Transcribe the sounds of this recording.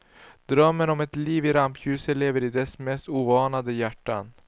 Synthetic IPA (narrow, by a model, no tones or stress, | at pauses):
d̪̥ɾœmːənɔmɛt̪liːvɪɾampjʉ̟ːsəleːvəɾɪd̪ɛsmɛst̪uːvɑːnad̪əjæʈːa̰n